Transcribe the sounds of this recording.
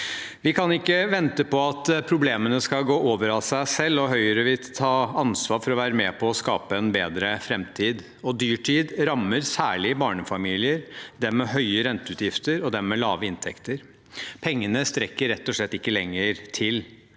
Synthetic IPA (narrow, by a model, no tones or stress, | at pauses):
ʋɪkʰɑnɪkːəʋɛnt̪əpʰɔɑt̪pʰɾʊbleːmənəskɑlɡoːʔoːʋəɾɑlsæɪsɛlːɔɦœʏəɾəʋɪlt̪ʰɑːɑnsʋɑːɾfɔɾɔʋæːɾəmɛpʰɔɔskɑːpəɛnbeːd̪ɾəfɾɛmt̪ʰiːd̪ | ɔd̪yːʈʰiːd̪ɾɑmːəɾsæːɭɪbɑːɳəfɑmiːlɪəɾd̪ɛmɛɦœʏəɾɛnt̪əʉːt̪jɪft̪əɾɔd̪ɛmmɛlɑːʋəɪnt̪ʰɛkt̪əɾ | pʰɛŋːənəst̪ɾɛkːəɾɛt̪ːɔʂɭɛt̪ːɪkːəlɛŋːəɾt̪ʰɪl